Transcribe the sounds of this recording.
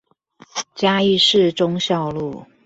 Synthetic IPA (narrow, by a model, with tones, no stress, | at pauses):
t͡ɕja˥i˥˧ʂɻ̩˥˨ʈ͡ʂʊ˦ŋɕjɑ˥˧ʊlu˥˩